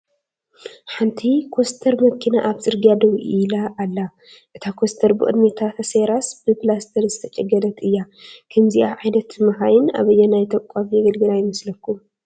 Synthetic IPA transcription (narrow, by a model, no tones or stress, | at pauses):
ħant̪ʰikʰo̞st̪ʰɐɾmɐkʰːinaʔaβzɨɾɡijad̪ɐβuʔilaʔːlːa | ʔɨt̪ʰakʰo̞st̪ʰɐɾbɨʔʼɨ̰d̪mit̪ʰat̪ʰɐseɾasb̥ɨpʰɨlast̪ʰɐɾzɨt̪ʰɐt͡ʃʼɐɡɐlɐt̪ɨjːa | kʰɐmziʔaʕajnɐt̪mɐhajɪna̰βɐjːɛnajt̪ʰɐkkʼafjɛɡɐlɡɨlajɪmɐslɐkːum